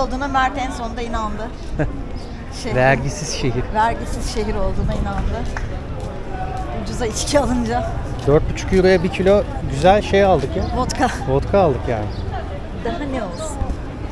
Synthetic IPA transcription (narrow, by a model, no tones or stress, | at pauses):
lˠd̪uːnamæɾt̪ʰɛnso̞nd̪ainand̪ɯ | ʃevæɾɟisiz̥ʃe̞ɦiɾvæɾɟisiz̥ʃe̞ɦiɾo̞lˠd̪uːnainand̪ɯ | ud͡ʒuzait͡ʃcʰialˠɯnd͡ʒa | d̪øɾt̪̚byt͡ʃʰu̥kjuɾujabicʰilʲoɟyzælʲʃe̞jalˠd̪ɯkjabot̪kʰabot̪kʰaːlˠd̪ɯkja̰ːnɪ | d̪aɦaneolˠus